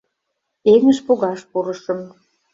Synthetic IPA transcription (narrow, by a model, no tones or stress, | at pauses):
eŋə̆ʃpoɣɑʃpuɾəʃəm